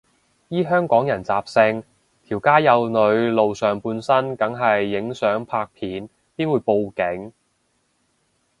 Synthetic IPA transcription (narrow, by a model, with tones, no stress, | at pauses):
jiː˥ɦœː˥ŋkɔː˨˥ŋjɐ˨˩nt͡saː˨p̚sɪ˧ŋ | t̪ʰiː˨˩wkaː˥jɐ˨˧wnɵ˨˧ɥlo˨wsœː˨˩ŋpuː˧nsɐ˥nkɐ˨˥ŋɦɐ˨jːɪ˨˥ŋsœː˨˥ŋpʰaː˧k̚pʰiː˨˥n | piː˥nwuː˨˧jpo˨˧wkɪ˨˥ŋ